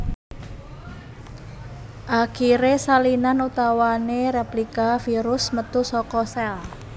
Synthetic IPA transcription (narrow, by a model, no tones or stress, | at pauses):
ʔakiɾesalinanut̪awanerɛplikafiɾʊsmət̪usɔkɔsɛl